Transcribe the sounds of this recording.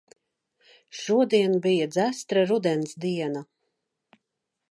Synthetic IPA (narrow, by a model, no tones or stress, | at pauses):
ʃuɔd̪iɛnbijad̪zæst̪ɾaɾud̪ɛnsd̪iɛna